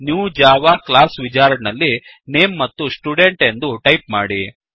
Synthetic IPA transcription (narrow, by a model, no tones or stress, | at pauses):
njuːd͡ʒaːʋaːklaːsʋit͡ʃaːɾɖnɐlːi | neːmːɐt̪ːusʈuɖe̞ɳʈe̞nd̪uʈɐjpmaːɽi